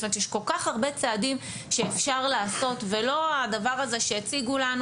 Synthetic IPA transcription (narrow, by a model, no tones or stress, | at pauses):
omet̪jɛʃko̞lkaχaʁbe̞t͡seadim | ʃeːfʃaʁlaːso̞tvelo̞ad̪avaʁazeʃejet͡siɡulanu